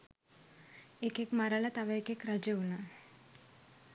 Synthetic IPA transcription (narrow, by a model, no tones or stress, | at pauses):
ekekmaɾalat̪aʋaekekɾad͡ʒeuna